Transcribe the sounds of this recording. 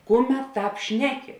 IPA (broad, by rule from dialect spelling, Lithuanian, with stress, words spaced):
ˈkʊˌmʲɛt ˈtɑːp ˈʃʲnʲæːˌkʲɪ